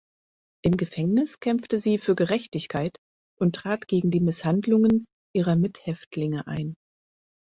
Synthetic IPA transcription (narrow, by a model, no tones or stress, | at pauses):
ʔɪmɡəfɛŋnɪskʰɛmftəziːfyːɐɡəʁɛçtɪçkʰaɪt | ʔʊntʁ̥aːtɡ̥eːɡŋ̩diːmɪshandlʊŋən | ʔiːʁ̞ɐmɪthɛftʰlɪŋəʔa̰ɪn